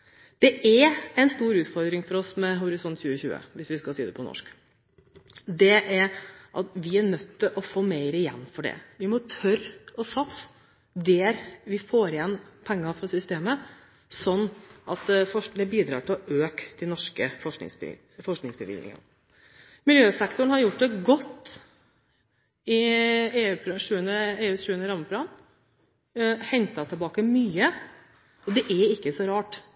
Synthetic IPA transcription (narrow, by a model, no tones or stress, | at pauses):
d̪̥ɛʔæɾɛɪnst̪uːɾʉːt̪fɔɾd̪ɾɪŋfɔɾɔsmɛɦʊɾɪsɔnt̪çʉːəçʉ̰ːə̰ʋɪsʋɪskɑsiːd̪ɛpʰɔnɔ̰ʂk | d̪ɛʔæɾʔɑt̪ʋɪæɾnœt̪ːɪʔɔfoːmeɪɾəɪjɛ̰nːfɔɖɛ̰ʋɪmɔt̪ʰœɾɔsɑt̪s | d̪ɛːɾʋɪfoːɾɪjɛnːpʰɛŋːɑfɾɑsʏst̪eːmə | sɔnːʔɑ̰t̪fɔd̪ɛbiːd̪ɾɑ̰ːʈɪlɔʔøːkd̪̥ɛnɔʂkəfɔɪ̰ŋs | fɔʂknɪŋsbəʋɪ̰lnɪ̰ŋɑ̰n | mɪljøːsɛkt̪ʊɳ̩hɑɾjʊʈ̚ːd̪ɛɡɔt̪ː | ɪeːʉːpʰɾʂʉːənəeːʉːʂʉːənəɾɑməfʰɾɑn | hɛnt̪ɑt̪ʰəlbɑːkəmyːə | ɔd̪ɛʔɛɪkːəsɔɾɑːʈ